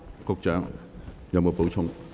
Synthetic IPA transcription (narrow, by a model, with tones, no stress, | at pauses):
kʊ˧k̚t͡ʃœ̰ː˨˥ŋ | jɐ˨˧wmo˨˧˩po˨˥wt͡sʰʊ˧ŋ